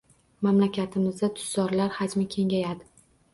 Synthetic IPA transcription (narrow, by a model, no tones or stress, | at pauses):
mamlakʲat̪ʰɪmɪzd̪at̪ʰʊ̥sːɒɾlaɾhad͡ʒmakʲʰe̞ŋʲajad̪ɪ